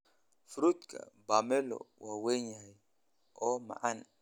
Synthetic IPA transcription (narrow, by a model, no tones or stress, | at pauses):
fɾut̪̚ka̰bamɛlɔ̰waweɲa | ɔma̰ʔan